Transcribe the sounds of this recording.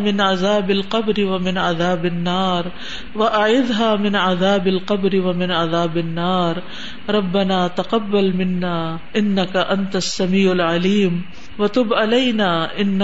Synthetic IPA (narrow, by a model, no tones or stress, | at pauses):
mɪnʕaðaːbalqɑbɾɪwamɪnʕaðaːbanːaːɾˤ | waʔaʕɪðɦaːmɪnʕaðaːbalqɑbɾɪwamɪnʕaðaːbanːaːɾˤ | ɾˤɑbːanaːt̪aqɑbːalmɪnːaː | ʔɪnːakaʔant̪aasːamiːʕalʕaliːm | wat̪ʊbʕalajnaːʔɪnː